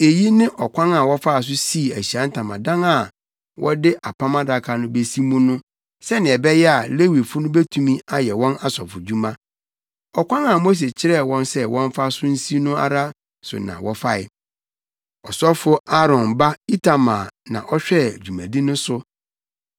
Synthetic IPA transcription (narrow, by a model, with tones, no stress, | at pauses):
e˨ji˦nɪ̃˦ʔɔ˨kʰʷã˦na˨wɔ˦fa˦˨s̬ʊ˦si˦˨æ˨ɕi˨ã˨˦n̩˦tʰã˨mã̰˨dã˦na˨ | wʔɔ˦dɪ˦ʔa˨pʰã˦mã˦da˨kʰa˨nʊ̃˦be˦si˦mʊ̃˦nʊ̃˦ | sɛ˦nɪ̃˨ɛ˨bɛ˦jɛ˦a˨le˦wi˨fʊ˦nʊ̃˦be˦tʰũ˨mĩ˦a˦jɛ˨wɔ̃˦na˦sɔ̰˨fʊ˨d͡ʑᶣu˦mã˦ | ɔ˨kʷʰã˦ŋa˨mo˦s̬e˨t͡ɕʰɪ˦ɾɛ˦˨wɔ̃˦nsɛ˦wɔ̃˦ɱ˦fa˦sʊ̃˦n̩˦si˦nʊ̃˦a̰˦ɾa˦ | sʊ̰˨nã̰˨wɔ˦fa˦ɪ̰˨ | ɔ˨sɔ˦fʊ˦a˦ɾɔ̃˨nba˦i˦tʰa˨mãː˨nã̰˨ʔɔ˦ɕᶣɛ˦˨d͡ʑᶣu˨mæ̰̃˨di˦nʊ̃˦sʊ˦